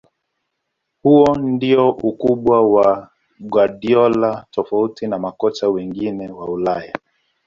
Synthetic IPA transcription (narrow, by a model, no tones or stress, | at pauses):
huɔndiɔʔukuɓwawa | ɡwaɗiɔlatɔfautinamakɔt͡ʃawɛŋɡinɛwaulaja